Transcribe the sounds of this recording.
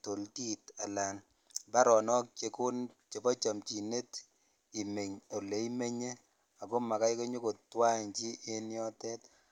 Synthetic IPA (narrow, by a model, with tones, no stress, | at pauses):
to˨lti˦ta˨la˨n | ba˦ɾɔ˨nɔ˦k̚t͡ʃe˨kʊ˦nt͡ʃe˨bɔ˦t͡ʃa˨mt͡ʃi˨ne˦t | i˨me˨ɲo˨le˨i˦me˦ɲe˦ | a˨ko˦ma˨ka˦jko˦ɲo˦ko˨twa˦˨ɲt͡ʃi˦ʔe˦njɔ˦tɛ˦t